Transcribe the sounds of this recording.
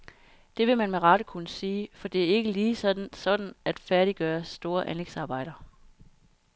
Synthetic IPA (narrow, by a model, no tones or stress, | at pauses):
d̥e̝ʋe̝mænmeʁɑ̈ɾ̥əkʰunəsiːfɒ̽d̥e̝æɐe̝ɡ̥əliːsɒ̽d̥n̩sɒ̽d̥n̩ʔæd̥fæɐɾiɡ̥ɶːɐsːd̥o̝ːɐʔænleɡ̥sɑ̈ːb̥ɑ̈ɪ̰ɾ̥ɐ